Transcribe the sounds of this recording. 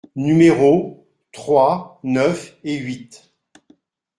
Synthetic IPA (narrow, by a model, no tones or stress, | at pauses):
nymeʁo | t̪χwanœfeɥit̪